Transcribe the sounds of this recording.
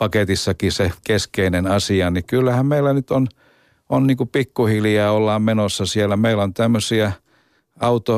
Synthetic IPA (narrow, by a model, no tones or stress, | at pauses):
pɑket̪isːɑkisekeskeinenɑsiɑnikylːæhæmmeilːˑænyt̪on | onniːkupikːuhiljɑːolːɑːmmenosːɑsielːˑæmeilont̪æmːøsiæ | ɑut̪o